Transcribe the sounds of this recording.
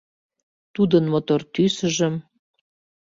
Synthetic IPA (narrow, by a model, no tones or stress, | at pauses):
t̪ud̪ənmot̪ort̪ysə̆ʒə̆m